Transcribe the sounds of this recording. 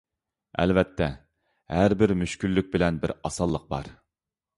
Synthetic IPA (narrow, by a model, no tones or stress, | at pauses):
ɛ̰lvɛt̪ʰːɛ | hæɾbɪɾmyʃkʲylːyk̚ʲbɪlɛnbɪɾɑsɑlˠːəq̚bɑ̰ɾ